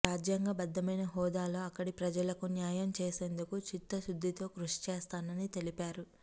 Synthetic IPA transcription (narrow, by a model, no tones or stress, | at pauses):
ɾaːd͡ʒjɐŋɡaːbɐd̪ːɐmɐjnɐɦɔːd̪aːlo̞ːɐkːɐɽipɾɐd͡ʒɐlɐkunjaːjɐmt͡ʃeːse̞ːnd̪ukut͡ʃit̪ːɐʃud̪ʱːit̪o̞ːkɾuʂi̥t͡ʃɛːst̪aːnɐnit̪e̞lipaːɾu